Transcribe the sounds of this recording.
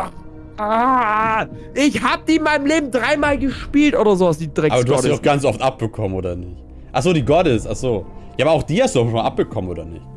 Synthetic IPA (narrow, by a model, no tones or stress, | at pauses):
ʔa | ʔɪçhaːbədiːɪnmaɪnəmleːbm̩dʁaɪmaːlɡəʃpiːltʔoːdɐzoːvasd̥iːdʁɛaːbɐduːhadːaʊxɡ̥ant͡sʔɔftʔap̚b̥əkʰɔmənʔoːdɐnɪç | ʔaχz̥oːɾiːɡɔdɪsaχz̥oːjaːbɐaʊxd̥iːhastduːɔfmalʔap̚b̥əkʰɔmənʔoːdɐnɪ̰çt